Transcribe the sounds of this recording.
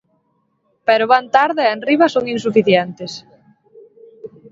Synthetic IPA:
pɛɾʊβant̪aɾðɪenriβɐsoŋinsufiθjɛnt̪ɪs

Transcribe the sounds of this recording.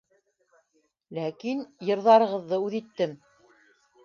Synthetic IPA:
lækinjɤ̆ɾðɑɾɤ̆ʁɤ̆ðːɤʉðit̪ːɘm

